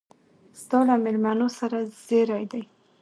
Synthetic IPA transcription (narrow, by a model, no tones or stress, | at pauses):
z̥d̪ɑlamɪlmanosaɾaz̥eɾɑjd̪aj